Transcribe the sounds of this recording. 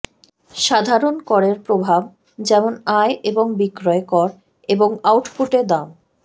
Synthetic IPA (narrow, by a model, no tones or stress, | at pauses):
ʃad̪ʱaɾonkɔɾeɾpɾobʱab̚ | d͡ʑɛmonajʔeboŋbikɾɔekɔɾ | eboŋawʈpuʈed̪am